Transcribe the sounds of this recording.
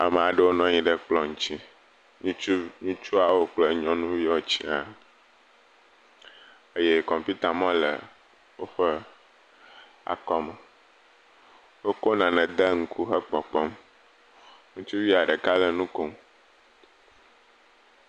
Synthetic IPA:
a̰˨m˨a˨ɖə˦wo˦nɔ̃˦ɲĩ˦ɖə˨k͡plɔ˦ŋ̩̃˨t͡ɕi˦ | ɲĩ˦u˦ɲĩ˦t͡ʃu˦a˨wo˦k͡plə˨ɲɔ̃˦nũ˦vi˦ɔ˨t͡ɕi˦a̰˨ | ə˦je˦kɔ̃˨m˨pi˦t̪a˨mɔ̃˦lə̰˨ | wo˦ɸə˦ | a̰˨kɔ˦mə˨ | wo˦ko˦nã˨nɛ̃˨d̪ə˦ŋ̩˦kʰu˦xə˦k͡pɔ˨k͡pɔ˦m | ŋũ˦t͡ʃu˦vi˦a˨ɖə˨ka˦lə˨nũ˦ko˨m

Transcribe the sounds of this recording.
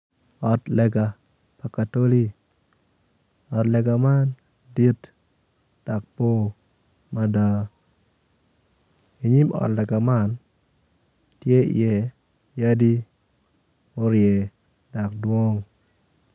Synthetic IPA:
ɔ˨tlɛ˨ɡa˨ | pa˨ka˨to˦li˦ | ɔ˨tlɛ˨ɡa˨ma˦n | di˦t | d̥a˨k̚po˦ | ma˦da˨ | i˨ɲi˦mɔ̰˨tlɛ˨ɡa˨ma˦n | tjḛ˦jɛ˨ | ja˦di˦ | o˦ɾjɛ˨ | da˨kdwo˦ŋ

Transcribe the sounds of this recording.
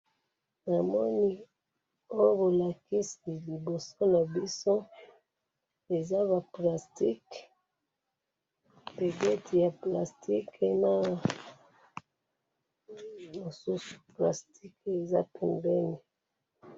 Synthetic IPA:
na˨mɔ˦ni˦ | o˦jo˦bo˨la˨ki˦si˨li˨bo˨so˦na˨bi˦so˦ | e˨za˦βa˨pla˨sti˦k | pe˨ɡɛ˦ti˨ja˨pla˨sti˦ke˨na˦ | mo˨su˦su̥˨pla̰˨sti˦ke˨za̰˦pɛ˨mbɛ˦ni˨

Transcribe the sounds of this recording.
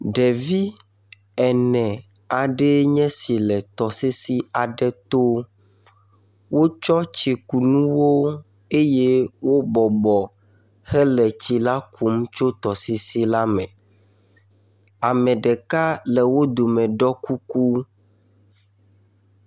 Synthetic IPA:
ɖɛ˨vi˦ | ɛ˨nɛ̃˨ | a˨ɖɛ˦ɲɛ̃˦si˨lɛ˨t̪ɔ˨se˦si˦a˨ɖɛ˦t̪o˦ | wo˦t͡ʃɔ˦t͡ʃi˨ku˨nũ˦wo˦ | e˦je˦wo˦bɔ˨bɔ˨ | xɛ˦lɛ˨t͡ɕi˨la˦kʰu˦m˦t͡ʃo˦t̪ɔ˨si˦si˦la˦mɛ̃˨ | a˨mɛ̃˨ɖɛ˨ka˦lɛ˨wo˦d̪o˨mɛ̃˨ɖɔ˦ku˦ku˦

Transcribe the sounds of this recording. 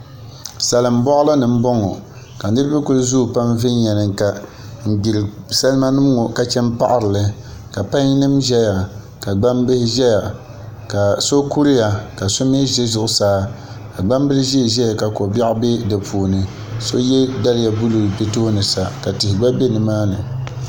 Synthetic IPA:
sa˨lɨ˨m̩˦bɔ˦ʔʊ˦la˦nɨ˨m̩˦bɔ˦ŋɔ˨ | ka˨n˦ɨ˦ɾɨ˦bɨ˦kʊ˦lzu˦˨pa˦mvɪ˦n˦ɲɛ˨nɨ˨ŋ˨ka˨ | m̩˨ɡ͡bi˨lɨ˨sa˦lma˦nɨ˦m˦ŋo˨ka˨t͡ʃɛ˦mpa̰˦ʔa˦ɾɨ˨lɨ˦ka˨pa˦ɲ˦nɨ˦mʒɛ˦ja˨ | ka˨ɡ͡ba˦m˦bɨ˦hɪ˦ʒɛ˦ja˨ | ka˨so˦ku˦ɾja˨ka˨so˦m˦ɛ˦ʒe˦zʊ˨ʔʊ˨˦saː˦ | ka˨ɡ͡ba˦m˦bɨ˦lɨ˦ʒe˦˨ʒɛ˦ja˨ka˨ko˨ba˦ʔbe˦dɨ˨pʰuː˨nɨ˨ | so˦jɛ˦da˦lɪ˦ja˨bu˦lu˨be˦to˦nɨ˨sa˨ka˨tɪ˨hɪ˨ɡ͡ba˦be˦nɨ˨maː˦nɨ˨

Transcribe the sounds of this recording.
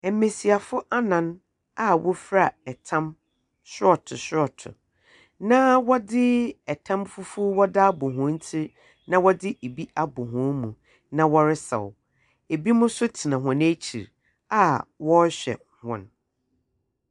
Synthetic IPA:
ɛ˨˦me˨si˨a˨fʊ˦ʔa˦nã˨n | a˦wʔʊ˦fɾa˦˨ɛ˨tʰã˦m | ɕɪ˦ɔ˨tʰʊ˨ɕɔ˨tʰʊ̰˨ | nã˦wɔ˦dɪ˦ɛ˨tʰã˦mfʊ˦fʊ˦wɔ˦da˦bʊ̃˨ɦʊ̃˨˦n̩˦tʰi˦ | nã˦wɔ˦dɪ˦e˨bi˦ʔa˦bʊ˨ɦʊ̃˨˦mũ˨ | nã˨wɔ˦ɾɪ˦sa̰˨w | e˨bi˦mʊ̃˦sʊ˦tʰi˨nã˨ɦʊ̃˨næ˦t͡ɕʰi˨ɾ | a˦˨wɔ˦ɕᶣɛ̰˨ | hɔ̰̃˨n

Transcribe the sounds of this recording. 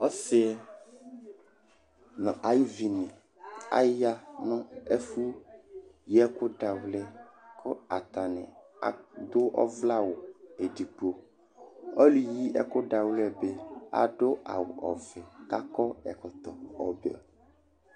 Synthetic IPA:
ɔ˦sɪ˦ɛ˦ | nɔ̃˨ʔa˨ji˦vi˨nĩ˨ | a̰˦ja˦nɔ̃˦e˦fu˦ | jɛ˦ko˦ɖa˨wlɛ˦ | kʰɔ˦a˨t̪a˨nɛ̰̃˨ | a̰˨d̪o˦ʔɔ̰˦vla˦wo˨e˨ɖi˨k͡po˨ | ɔ˦lu˨ji˦ʔɛ̰˦ko˦ɖa˨wlɛ˦be˦a̰˨ɖo˦a̰˨wo˨ʔɔ˨vɛ˨ka˦kɔ˦ɛ̰˨kɔ˨t̪ɔ˨ɔ˨be˦˨ɔ˨

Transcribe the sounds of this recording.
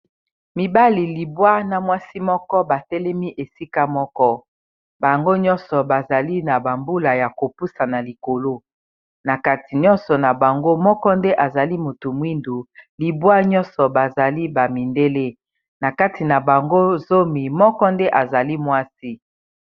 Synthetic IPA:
mi˨ba˦li˨li˨bwa˦na˨mwa˦si˦mɔ˦kɔ˦ba˨tɛ˦lɛ˦mi˦ʔe˨si˦ka˦mɔ˦kɔ˦ | ba˨ŋɡo˦ɲɔ̃˦nsɔ˨ba˨za˨li˦na˨ba˨mbu˦la˨ja˨ko˨pu˦sa˨na˨li˨ko˨lo˦ | na˨ka˦ti˨ɲɔ̃˦nsɔ˨na˨ba˨ŋɡo˦mɔ˦kɔ˦nde˦ʔa˨za˨li˦mo˨tu˨mwi˦ndu˨li˨bwa˦ɲɔ̃˦nsɔ˨ba˨za˨li˦ba˨mi˨nde˦le˦ | na˨ka˦ti˨na˨ba˨ŋɡo˦zo˦mi˨mɔ˦kɔ˦nde˦ʔa˨za˨li˦mwa˦si˦

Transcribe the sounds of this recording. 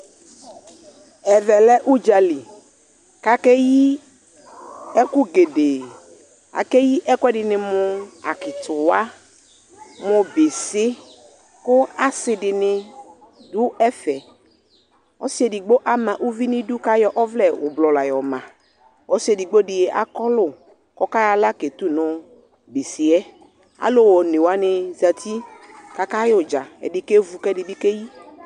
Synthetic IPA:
ɛ˨vɛ˨lɛ˦ʔu˦d͡ʒa˨li˨ | ka˦kɛ˦ji˦ | ɛ˦kʊ˦ɡe˨de˨ | a̰˨kɛ˦ji˦ʔɛ˦kʊ˦ɛ˦dɪ˨nɪ˨mʊ˨a̰˨kɪ˨tʊ˨wa˦ | mʊ˨bɪ˨sɪ˦ | kʊ˦a˨sɪ˨dɪ˨nɪ˨ | dʊ˦ɛ˦fɛ˨ | ɔ˦si˦ɛ˨di˨ɡ͡bo˦ʔa˦mã˨ʔu˦vi˦nɪ˦dʊ˦ka˦jɔ˦ʔɔ˦vlɛ˦˨ʊ˨blɔ˨la˨jɔ˨mã˨ | ɔ˦si˦ɛ˨di˨ɡ͡bo˦dɪ˨jɛ˨ʔa̰˦kɔ˦lʊ˦ | kɔ˦ka˦ja˨la˦ke˨t̪u˦nɔ˨ | be˨sɪ˨ɛ˦ | a̰˨lo˦wɔ˨ne˨wa˦nɪ˨za˨t̪ʰi˦ka˦ka˦jɔ˨d͡ʒa˨ɛ̰˨dɪ˦ke˦vu˨kɛ˦dɪ˨bɪ˦ke˦ji˦

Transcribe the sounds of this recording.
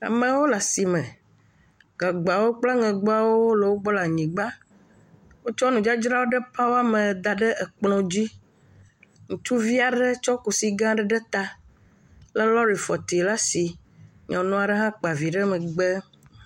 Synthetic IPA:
a̰˨mə̃˨wo˦la˨si˨mə̃˨ | ɡa˨ɡ͡ba˨wo˦k͡pla˦ŋɛ̃˨ɡ͡bo˦a˨wo˦lə˨wo˦ɡ͡bɔ˦la˨ɲĩ˨ɡ͡ba˦ | wo˦t͡ʃɔ˦nũ˨d͡ʒa˦d͡ʒɾa˦wo˦ɖə˦pa˦wo˦a˦mə̃˨d̪a˨ɖə˦ə˨k͡plɔ̃˨d͡ʑi˦ | ŋũ˨tu˦vi˦a˨ɖə˦t͡ʃɔ˦ku˨si˨ɡã˦ɖə˦ɖə˦t̪a˦ | lə˦lɔ˦ɾi˨fɔ˨t̪i˨la˦si˨ | ɲɔ̃˨nɔ̃˦a˨ɖə˦ɦã˦k͡pa˨vi˨ɖə˦mə̃˨ɡ͡bə˦

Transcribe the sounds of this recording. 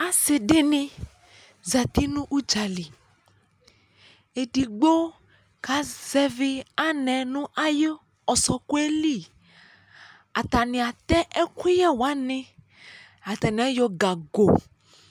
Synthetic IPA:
a˦sɪ˨dɪ˦nɪ̃˦ | za˨t̪i˦nũ˦ʔu˦d͡ʒa˨li˨ | e˨di˨ɡ͡bo˦ | ka˨˦z̥ɛ˦vɪ˦a˦nɛ̃˨nʊ̃˦ʔa˦jə˦ | ɔ˨sɔ˨kʊ˦e˦li˦˨ | a˨t̪a˨nɪ̃˨a˨t̪ɛ˦ʔɛ˦kʷi˦jɛ˦wa˦nɪ̃˦ | a˨t̪a˨nĩ˨˦ɛ˦jɔ˨ɡa˨ɡo˨

